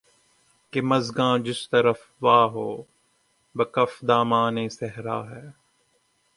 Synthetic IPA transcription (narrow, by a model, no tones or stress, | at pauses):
kemɐzɡãːd͡ʒɪst̪ɐɾəf | ʋaːɦoː | bɐkɐfd̪aːmaːnẽːsɛɦɾa̰ːɦɛː